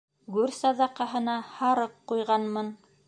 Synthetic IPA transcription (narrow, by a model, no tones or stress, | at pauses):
ɡʉɾsɑðɑqɑɦɤ̆nɑhɑɾɤqːujʁɑnmɤn